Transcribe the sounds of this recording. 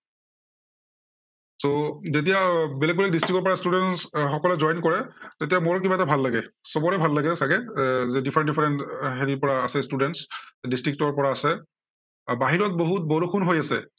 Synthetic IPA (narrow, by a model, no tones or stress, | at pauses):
sozet̬ijabelɛɡ̚bɛlɛɡ̚distɹikɔɹpɔɹastudɛnsxɔkɔlɛzɔjnkɔɹɛtetiamɔɹkibatabʱalːaɡɛsɔbɔɹɛbʱalːaɡɛsaɡɛzɛdipʰɛɹɛndifʰɛɹɛntɦeɹipɔɹaːsɛstudɛntsdistɹik̚tɔɹpɔɹaːsɛ | baɦiɹɔt̚boɦut̚bɔlokʰunɦojasɛ̰